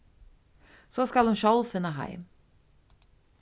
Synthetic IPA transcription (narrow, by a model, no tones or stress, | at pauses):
sɔskɑlhʊnʃɔlfɪnːəɦa̰ɪm